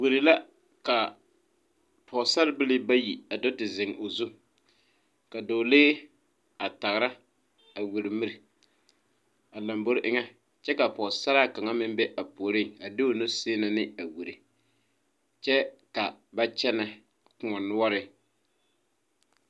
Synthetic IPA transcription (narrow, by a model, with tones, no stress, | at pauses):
wu˨ɾɪ˨la˦ | ka˨ | pʰɔ˨sa˦ɾbɪ˦lɪ˦ba˦ji˨a˨dɔ˦tɪ˨zɪ˨ŋ˨o˨zu˦ | ka˨doː˨leː˦ | a˨ta˨ɣɾa˦ | a˨wu˨ɾi˨mi˦ɾi˨ | a˨la˨mbo˦ɾʔɪ˦ŋɛ˦ | t͡ʃɛ˦ka˨pɔː˨sa˦ɾaː˦˨ka˨ŋa˦mɪ˦m˦bɛ˦ʔa˨poː˨ɾɪ˦˨a˨dɪ˦o˨no˦seː˦na˨nɪ˦a˨wu˨ɾi˨ | t͡ʃɛ˦ka˨ba˦t͡ʃɛ˦na˨ | kʊ˨ŋɔ˨nʊ˦ɔ˦ɾɪ˦